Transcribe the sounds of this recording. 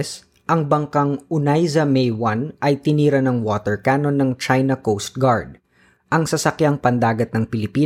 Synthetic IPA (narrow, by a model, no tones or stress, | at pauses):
s | ʔɐŋbɐŋkɐŋʊnajzɐmɛjwɐnʔɐjt̪ɪniːɾɐnɐŋwoːt̪ɛɹkaːno̞nːɐŋt͡ʃajnɐkowst̪̚ɡaɹd̪̚ | ʔɐŋsɐsɐkjaŋpɐnd̪aːɡɐt̪̚nɐŋpɪlɪpiː